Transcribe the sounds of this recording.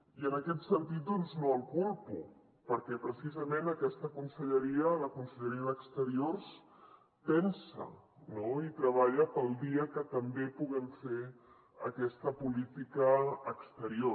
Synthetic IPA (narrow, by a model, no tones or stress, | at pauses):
iənəkɛt̪sənt̪it̪̚d̪ɔnznoəlˠkulˠpu | pəɾkɛpɾəsizəmenəkɛst̪əkunsəʎəɾiələkunsəʎəɾiəðəkst̪əɾiors | pɛnsə̰ | noit̪ɾəβ̞aʎəpəlˠd̪iəkət̪əmbepuɣəɱfe | əkɛst̪əpulit̪ikəːkst̪əɾio